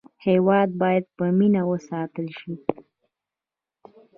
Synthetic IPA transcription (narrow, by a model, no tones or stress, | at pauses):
hewɑd̪̚bɑjad̪̚pəminawəsɑt̪əlʃi